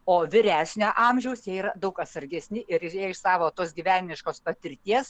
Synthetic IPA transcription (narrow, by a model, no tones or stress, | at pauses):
oːʋʲɪɾʲæːsʲnʲoːʔɑːmʲʒʲɛʊsjɛiːɾɐd̪ɐʊkɐt̪sɐɾʲɡʲɛsʲnʲɪʔɪɾɪeːɪʃsɑːʋoːt̪oːsɡʲiːʋʲæːnʲɪnʲɪʃkoːspɐt̪ʲɪɾʲt̪ʲiɛs